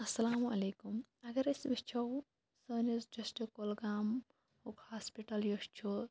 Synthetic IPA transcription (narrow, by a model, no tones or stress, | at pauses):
ɐsːɐlaːmuɐleːkumɐɡɐɾɐsbist͡ʃʰɐw | sɐːnisd͡ʒɐsʈekolɡaːm | ukhaːspiʈɐljost͡ʃʰu